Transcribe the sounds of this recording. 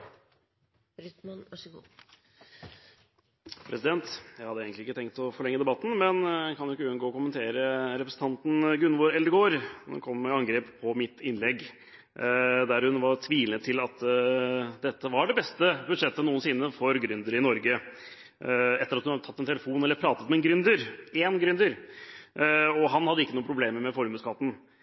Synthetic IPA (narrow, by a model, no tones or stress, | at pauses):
ɾʏt̪mɑnɑʂɡṵː | pʰɾɛsɪd̪ɛnt̪jæɪhɑd̪ːəeːɡənt̪lɪɪkːət̪ɛŋkt̪ɔfɔɭɛŋːəd̪ɛbɑt̪ːn̩mɛnkʰɑnjʊɪkːəʉːənɡoːɔkʊmənt̪ʰeːɾəɾɛpɾəsn̩t̪ʰɑnt̪n̩ɡʉnːʋoɾɛlːəɾɪɡoːɾhʉ̰nkʰɔmːɛɑŋɡɾeːppʰːɔmɪt̪ʰːɪnlɛɡː | d̪æɾhʉnʋɑɾt̪ʰʋiːlənət̪ʰɪlɑt̪ | d̪ɛt̪ːəʋɑɖɛbɛst̪əbʉd̪ʂɛt̪ːənuːənsɪːnːəfɔɾɡɾʉnd̪əɾɪnɔɾɡə | ɛt̪ːəɾɑt̪hʉnɑd̪ət̪ʰɑt̪ːɛnt̪ʰɛləfuːnɛlːəɾpʰɾɑːt̪ət̪mɛnɡɾʉnd̪əɾeːnɡɾʉnd̪əɾ | ɔɦɑnhɑd̪ːəɪkːənuːpʰɾʊbleːməmɛfɔɾmʉskʰɑt̪ːn̩